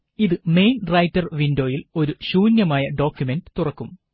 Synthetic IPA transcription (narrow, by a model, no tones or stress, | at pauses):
iðɨme̞jnrɐjtːɐrʋindo̞ːjilo̞ɾuɕuːnjɐmaːjɐɖo̞ːkʲjume̞nɖɨ̥t̪urɐkːum